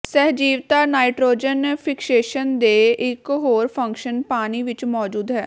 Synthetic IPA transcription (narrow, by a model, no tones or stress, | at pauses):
sɛɦd͡ʒiːʋt̪aːnaːiʈɾoːd͡ʒənpʰɪkseːʃənd̪eːɪkɦoːɾpʰə̃ŋkʃənpaːniːʋɪt͡ʃmɔːd͡ʒuːd̪ɦɛː